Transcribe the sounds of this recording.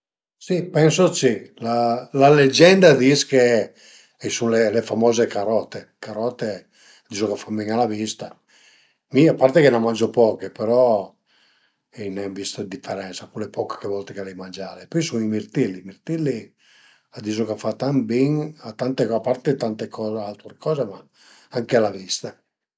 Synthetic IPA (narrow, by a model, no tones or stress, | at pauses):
sipɛnsot͡ʃilalaled͡ʒɛnd̪ad̪iske | ɛsunlelefamɔːzekaɾɔt̪ekaɾɔt̪ːe | ad̪it͡ʃokafamiŋalavist̪a | miapːart̪ekenamand͡ʒopɔːkepeɾɔ | inɛmvist̪ad̪ifeɾɛnsakulepɔkkːevɔlt̪ekalɛjmand͡ʒaːɾepɔjsuŋimirt̪ilːimirt̪ilːi | ad̪isokafat̪ambiŋat̪ant̪eapːart̪et̪ant̪ekɔalt̪ɾekɔːzema | aŋkealavist̪a